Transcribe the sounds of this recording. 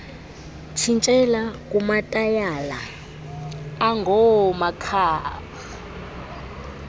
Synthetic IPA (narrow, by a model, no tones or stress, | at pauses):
t͡ʃʰint͡ʃʼɛlakʼumatʼajaːla | aŋɡʱɔmakʰaːɣa